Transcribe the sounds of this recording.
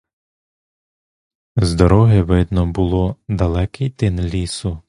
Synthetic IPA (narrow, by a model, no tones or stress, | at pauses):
zd̪ɔɾɔɦɪʋɪd̪nɔbʊlˠɔd̪ɐlˠɛkɪjt̪ɪnlʲisʊ